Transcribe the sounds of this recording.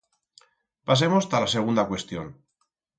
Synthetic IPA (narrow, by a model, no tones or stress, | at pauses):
pas̬emost̪alaseɣ̞und̪akwe̞st̪jo̰n